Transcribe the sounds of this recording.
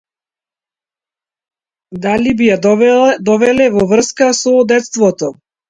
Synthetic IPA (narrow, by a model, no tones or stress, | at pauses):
d̪alibijad̪ɔvɛlɛvɔvr̩skasɔd̪ɛt̪st̪vɔt̪ɔ